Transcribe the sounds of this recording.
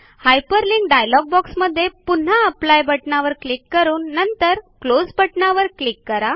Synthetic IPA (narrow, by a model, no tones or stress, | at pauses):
hajpəɾliŋɡɖajlɔɡ̚bɔksməd̪ʱːjepun̤aəplajbəʈɳaʋəɾklikːəɾuːnːənt̪əɾklod͡zbəʈnaʋəɾklikːəɾa